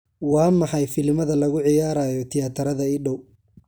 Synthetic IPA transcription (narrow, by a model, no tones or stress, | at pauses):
wɑːmɑħɑjfɪlmɐðɐlɐɣʊʕɪjaːɾaːjɔt̪ʰɪjaːt̪ʰɐɾɐðɐɪɖɔw